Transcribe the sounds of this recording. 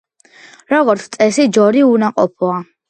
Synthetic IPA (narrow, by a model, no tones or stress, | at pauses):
ɾɔɡɔɾt̪sʰt̪sʼɛsid͡ʒɔɾiunaqʼɔpʰɔa